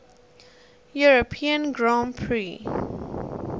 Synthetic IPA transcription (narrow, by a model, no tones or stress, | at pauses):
juɹopʰiə̃nɡɹãnpʰɹi